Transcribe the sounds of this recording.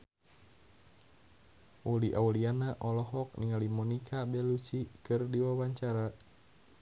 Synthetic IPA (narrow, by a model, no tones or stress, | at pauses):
ʔuliʔaulianaʔɔlɔɦɔk̚niŋalimɔnikʰabɛlut͡ʃikɨrdiwawaɲt͡ʃaɾa